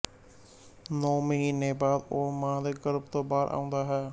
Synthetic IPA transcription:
noːməɦiːnẽbaːd̪oːmãːd̪eːɡəɾəbt̪oːbaːɾʔa̰ːũːnd̪aːɦɛː

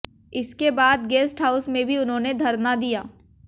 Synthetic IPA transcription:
ɪskebaːd̪ɡɛːsʈɦaːʊsmẽbʱiʊnɦõːned̪ʱɐɾnad̪ijaː

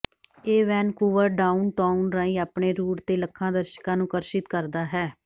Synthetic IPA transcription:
eːʋɛːnkuːʋəɾɖaːunʈaːunɾãːĩːaːpɳeːɾuːʈt̪eːləkʰːãːd̪əɾʃə̥kãːnũːkəɾʃɪt̪kəɾd̪aːɦɛː

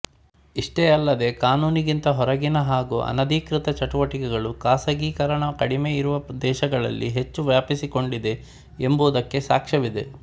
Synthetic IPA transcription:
iʂʈeɐlːɐd̪e̞kaːnuːniɡint̪ɐɦɔɾɐɡinɐɦaːɡuːʔɐ̰nɐd̪ʱikɾit̪ɐt͡ʃɐʈuʋɐʈikɛɡɐɭukaːsɐɡiːkɐɾɐɳɐkɐɽime̞iɾuʋɐd̪ɛːʃɐɡɐɭɐ̰lːʔiɦe̞t͡ʃːuʋjaːpisiko̞ɳɖid̪e̞ | embuːd̪ɐkːe̞saːkʂɐʋid̪e̞

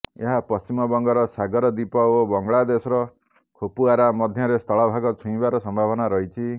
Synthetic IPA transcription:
ḛɦapɔst͡ʃimɔbɔŋɡɔɾɔsaɡɔɾɔd̪ipɔobɔŋɡɭad̪esɔɾɔ | kʰopuaɾamɔd̪ʱjɔɾest̪ʰɔɭɔbʱaɡɔt͡ʃʰũĩbaɾɔsɔmbʱabɔnaɾɔɦit͡ʃʰi

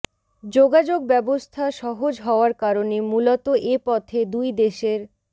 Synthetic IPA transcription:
d͡ʑoɡad͡ʑoɡ̚bɛbost̪ʰaʃɔɦod͡ʑɦɔoaɾkaɾonemulot̪oʔepɔt̪ʰed̪ujd̪eʃeɾ

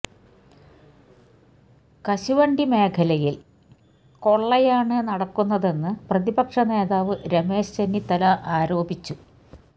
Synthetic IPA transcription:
kɐɕuʋɐɳɖime̞ːkʰɐlɐjil | ko̞ɭːɐjaːɳɨnɐɽɐkːunːɐðe̞nːɨprɐðibɐkʂɐne̞ːðaːʋɨɾeme̞ːɕt͡ɕɐnːit̪ːɐlɐʔaːɾo̞ːbit͡ɕːu

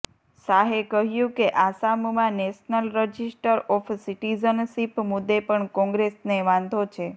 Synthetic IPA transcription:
saɦekəɦjũkeʔasammãnɛʃnəlɾəd͡ʒisʈəɾɔfsiʈizənsipmʊd̪ːepəɳkɔ̃ŋɡɾesneʋãnd̪ʱot͡ʃʰe

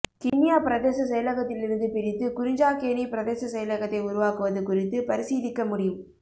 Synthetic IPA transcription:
kɪnːɪjaːpɪɾɐðeːsɐs̬ɐjɐlɐɣɐt̪ːɪlɪɾɯnd̪ɯpɪɾɪt̪ːɯkʊɾɪɲd͡ʒaːkeːnipɪɾɐðeːsɐsɐjɐlɐɣɐt̪ːɐɪʊɾʊʋaːkɯʋɐðɯkʊrɪt̪ːɯpɐɾɪsiːðɪkːɐmʊɽɪjɯm

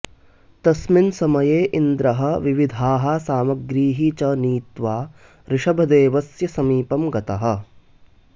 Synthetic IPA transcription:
t̪ɐsminsɐmɐjeːʔind̪ɾɐɦɐ̆ʋiʋid̪ʱaːɦɐsaːmɐɡɾiːɦit͡ʃɐniːt̪ʋaː | ɾɪʂɐbʱɐd̪eːʋɐsjɐsɐmiːpɐmɡɐt̪ɐɦɐ̆

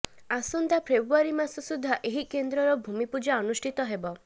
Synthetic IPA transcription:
asɔnt̪apʰɾebaɾimasɔsud̪ʱːaʔeɦikend̪ɾɔɾɔbʱumipud͡ʒaɔnusʈʰit̪ɔɦebɔ

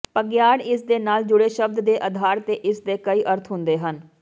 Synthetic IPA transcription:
pəɡjaːɽɪsd̪eːnaːld͡ʒʊɽeːʃəb̚d̪d̪eːʔəd̪ʱaːɾt̪eːʔɪsd̪eːkəiːʔəɾt̪ʰɦʊ̃nd̪eːɦən

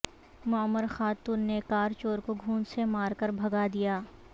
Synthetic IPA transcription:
mʊəmːəɾxaːt̪uːnːekaːɾt͡ʃoːɾkoɡʱũːnsemaːɾkɐɾbʱɐɡad̪ijaː

